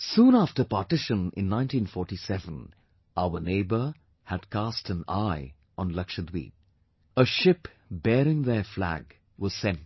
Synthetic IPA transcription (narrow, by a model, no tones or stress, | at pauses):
sũːnæftəpɑtɪʃə̃nɪ̰̃nːãɪ̃ntĩnfɔɹʈisɛvə̃n | aʊəneɪbə˞ | hædkʰæstɨ̃na̰ɪ | ʔə̃nlʌkʃəd̪wḭːd̚ | əʃɪp | bɛːɾɪ̃ŋðəflæ̰ɡ | wɔz̥sɛ̃nt